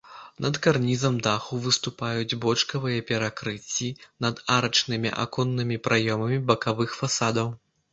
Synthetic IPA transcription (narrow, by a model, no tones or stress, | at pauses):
nʔɐt̪karnʲizɐmd̪axuvɨst̪upajud͡zʲbɔt͡ʂkɐvɨjɐpʲɛɾakɾɨt͡sʲːinɐd̪aɾɐt͡ʂnɨmʲḭʔa̰kɔnːɨmʲipɾʔajɔmɐmʲibɐkavɨxfasad̪ɐw